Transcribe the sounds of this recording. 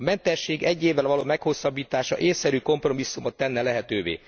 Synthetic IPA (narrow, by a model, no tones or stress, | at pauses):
ɒmɛnt̪ɛʃːeːɡɛɟːeːvːɛlvɒloːmɛkho̞sːɒbːiːt̪aːʃɒ̰ʔeːsːɛɾyːko̞mpro̞misːumot̪ːɛnːɛlɛɦɛt̪øːvḛː